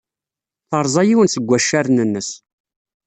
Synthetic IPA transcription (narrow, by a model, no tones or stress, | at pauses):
θəɾˤzˤɑjiwənsəɡʷːæʃːæɾnənːəs